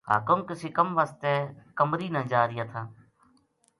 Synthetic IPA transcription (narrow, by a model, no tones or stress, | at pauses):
ɦa̰ːkəmkəseːkəmʋaːst̪ɛːkəmɾiːnãːd͡ʒaːɾɪjaːt̪ʰaː